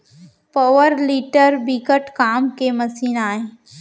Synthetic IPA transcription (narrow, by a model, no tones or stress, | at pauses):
pɔːʋəɾliːʈəɾbiːkəʈkaːmkemɐsiːnaːẽː